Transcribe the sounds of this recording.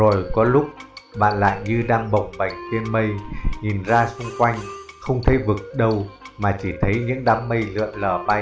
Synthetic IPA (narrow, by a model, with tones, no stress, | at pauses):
o˨˩jkɔ˨˦lʊ˦˥k͡p̚ɓa̰ː˧˨nla̰ː˧˨jɲɨ˧ɗaː˧ŋɓə˨˩wŋ͡mɓa˨˧˩jŋ̟t͡ɕe˧nmə˧jŋi˨˩nzaː˧sʊ˧ŋ͡mkwa˧jŋ̟xə˧wŋ͡mt̪ʰe˨˦jvɨ˨˩k̚ɗə˧˩wmaː˨˩t͡ɕi˧˩t̪ʰə˨˦jɲɨ̰˧˥ŋɗaː˨˦mːə˧jlɨ̰˧˨ənləː˨˩ɓa˧j